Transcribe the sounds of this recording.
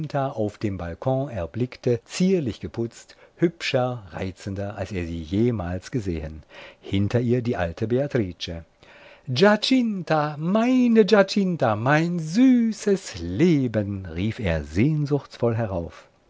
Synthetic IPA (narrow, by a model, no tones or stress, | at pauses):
ntʰaaʊfd̥eːmbalkʰɔ̃ɛɐblɪktət͡siːɐlɪçɡ̥əpʰʊt͡sthʏpʃɐʁa̰ɪt͡səndɐʔalseːɐziːjeːmaːlsɡ̥əzeːənhɪntʰɐiːɐdiːʔaltʰəbeatʁ̥iːt͡ʃə | d͡ʒat͡ʃɪntʰamaɪnəd͡ʒat͡ʃɪntamaɪnzyːsəsleːbənʁiːfḛːɐzeːnzʊçt͡sfɔlɦɛʁaʊf